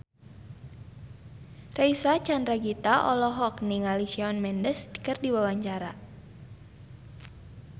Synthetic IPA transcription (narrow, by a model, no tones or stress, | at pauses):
reisat͡ʃandɾaɡit̪aʔɔlɔɦɔkniŋalisiɔnmɛndəskɨrdiwawaɲt͡ʃaɾa̰